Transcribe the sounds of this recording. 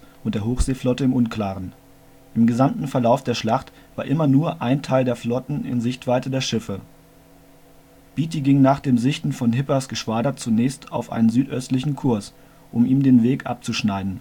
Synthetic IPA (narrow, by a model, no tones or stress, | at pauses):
ʔʊnt̚d̥eːɐɦoːxz̥eːflɔtəɪmʔʊnkl̥aːʁən | ʔɪmɡəzamtn̩fɛɐlaʊfd̥eːɐʃlaχt | v̥aːɐʔɪmɐnuːɐʔaɪntʰaɪldeːɐflɔtn̩ɪ̰nzɪçtv̥aɪzədeːɐʃɪfə | b̥iːtiɡɪŋnaːχd̥eːmzɪçtn̩fɔnɦɪpɐsɡ̥əʃv̥aːdɐt͡sunɛːçstaʊfʔa̰ɪnənzyːtʔœstlɪçn̩kʰʊɐs | ʔʊmiːmdeːnveːkʔa̰p̚t͡suʃnaɪdn̩